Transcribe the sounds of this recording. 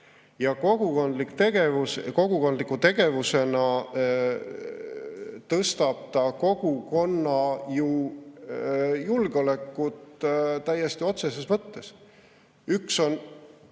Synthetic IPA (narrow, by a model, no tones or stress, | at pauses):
jɑko̞ɡ̥ukond̪likt̪e̞ɡ̥e̞vusko̞ɡ̥uko̞nd̪likːˑut̪e̞ɡ̥e̞vuse̞nɑ | t̪ɤst̪ɑb̥̚t̪ɑko̞ɡ̥uko̞nːɑju | julɡ̥eo̞lækːˑut̪t̪æjːe̞st̪io̞t̪se̞sesmɤt̪ːe̞s | ykso̞n